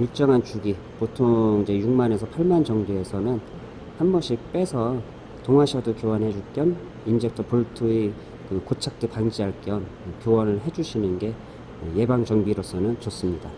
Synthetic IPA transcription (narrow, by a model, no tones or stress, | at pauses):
iɭt͡ɕ͈ʌŋɦant͡ɕuɡi | potʰoŋid͡ʑejuŋmane̞sʰʌpʰaɭmand͡ʑʌŋbeesʰʌnɯn | hanbʌɕʰik̚p͈e̞sʰʌ | toŋɦaɕʰʌdokjowʌnɦe̞d͡ʑuɭk͈jʌn | ind͡ʑʰek̚tʰʌpuɭtʰui | kɯkot͡ɕʰak̚t͈ɯpaŋd͡ʑiaɭk͈jʌn | kjowʌnɯɭɦe̞d͡ʑuɕʰinɯnɡe̞ | ɯje̞baŋd͡ʑʌŋbiɾosʰʌnɯnt͡ɕʌs͈ɯmɲida